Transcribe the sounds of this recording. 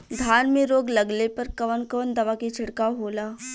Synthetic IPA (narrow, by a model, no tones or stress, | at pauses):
d̪ʱanmiːɾoːɡləɡlepəɾkəʋənkoːnd̪ɐʋakit͡ɕʰɪɽkaɦola